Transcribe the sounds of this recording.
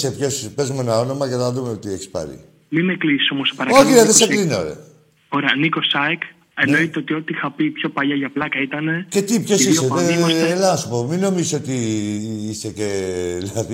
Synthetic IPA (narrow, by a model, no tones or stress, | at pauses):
sepço̞spe̞zume̞nɐo̞no̞mɐʝeθɐðumeot̪ieçi̥spɐ̰ɾḭ | mimeklisi̥so̞mose̥pɐɾɐoçilɐðeseklino̰ɾḛ | oɾeɐniko̞sɐek | eno̞it̪eot̪io̞t̪ixɐpipço̞pɐʎɐʝɐplɐkɐit̪ɐne̞ce̞t̪ipço̞siseðeselɐnɐsupo̞mino̞miziso̞t̪i | ise̞ceðilɐði